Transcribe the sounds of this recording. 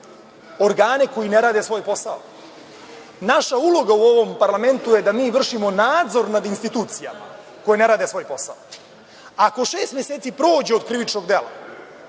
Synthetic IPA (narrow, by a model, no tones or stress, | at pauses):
o̞ɾɡaːneko̞jine̞ɾaːd̪esʋo̞ːjpo̞sao̰ | naʃaulo̞ɡauo̞ʋo̞mpaɾlˠame̞nt̪ujed̪amiːʋr̩ʃimo̞naːd̪zo̞ɾnad̪inst̪it̪uːt̪sija̰ma̰ | ko̞jene̞ɾaːd̪e̞sʋo̞ːjpo̞sa̰o | ako̞ʃeːst̪mʲjeseːt̪sipɾo̞ːd͡ʑeod̪kɾiʋit͡ʃno̞ɡd̪e̞la̰